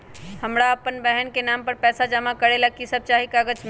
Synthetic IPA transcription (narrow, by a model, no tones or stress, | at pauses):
həmɾaɐpənbɛɦənkenaːmpəɾpɛːsad͡ʒəmakəɾelakisəb̚t͡ʃaːɦikaːɡəd͡ʒm